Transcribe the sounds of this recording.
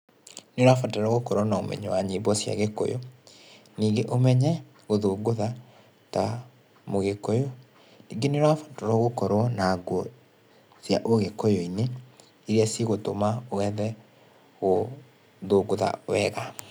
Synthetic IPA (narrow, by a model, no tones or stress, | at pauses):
noɾwafataɾɔɣokɔɾɔnaomɛ̰ɲɔwaɲibɔsja̰ɣekɔ̰jɔ̰ | niːɡeʔomɛɲɛ | ɣoðoːɡoða | ta̰ | moɣekɔjɔ | niɡenoɾwafḁtɔɾɔɣokɔɾɔnaɡwɔ | sja̰ʔoɣekɔjɔine | eɾiaseɣotomaowɛðɛ | ɣo | ðoːɡoða̰wɛɣa